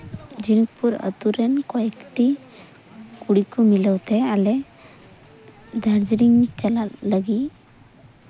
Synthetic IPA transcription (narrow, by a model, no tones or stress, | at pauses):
d͡ʒinək̚puɾə̰t̪uɾɛnkɔɛkʈi | kuɽikumiləwt̪ɛalɛ | d̪ʱəɾd͡ʒɾiŋt͡ʃalaləɡi